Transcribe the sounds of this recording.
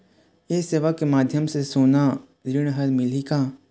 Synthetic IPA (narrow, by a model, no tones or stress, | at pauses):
eseːʋakːemaːd̪ʱjəmsesoːna | ɾɪɽ̃ɦəɾmɪlikaː